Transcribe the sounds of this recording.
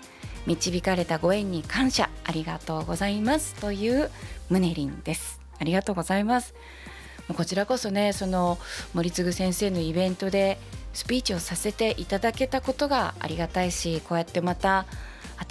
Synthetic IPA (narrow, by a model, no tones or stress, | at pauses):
mʲit͡ɕibʲikaɾe̞t̪aɡo̞ẽ̞ɲ̟ːikãɰ̃ɕa̰ːɾʲiɡat̪o̞ːɡo̞zaimasɨ̥t̪o̞jɯ̟ːmɯ̟ne̞ɾʲḭ̃nd̪e̞sɨ̥ | aɾʲiɡat̪o̞ːɡo̞zaimasɨ̥ | moko̞t͡ɕiɾako̞so̞ne̞so̞no̞moɾʲit͡sɨɡɯ̟sẽ̞ɰ̃se̞ːno̞ibẽ̞nt̪o̞d̪e̞sɨ̥pʲiːt͡ɕio̞sase̞t̪e̞ʔit̪ad̪ake̞t̪ako̞t̪o̞ɡaa̰ɾʲiɡat̪aiɕiko̞ːjat̪ːe̞mat̪a | a